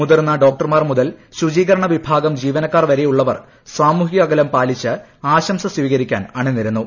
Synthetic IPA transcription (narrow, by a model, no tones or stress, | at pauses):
mud̪ɐrnːɐɖo̞ːk̚ʈɐrmaːrmuðɐlɕud͡ʑiːɣɐɾɐɳɐʋibʱaːɡɐmd͡ʑiːʋɐnɐkːaːrʋɐɾejuɭːɐʋɐ̰r | saːmuːɦiɣɐɡɐlɐmpaːlit͡ɕːɨ | aːɕɐmsɐsʋiːɣɐɾikʲːa̰ːnaːɳɨnːiɾunːu